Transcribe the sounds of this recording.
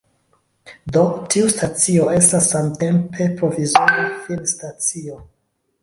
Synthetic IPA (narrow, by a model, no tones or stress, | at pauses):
do̞tʰiustat͡sio̞e̞stasamte̞mpʰe̞pɾo̞vizoɾafilstat͡sio̞